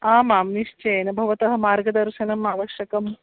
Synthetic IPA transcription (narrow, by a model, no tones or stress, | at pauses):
aːmaːmniʂt͡ʃɐjɐnɐbʱɐʋɐt̪ɐɦɐ̆maːɾɡɐd̪ɐɾʃɐnɐmaːʋɐʃjɐkɐm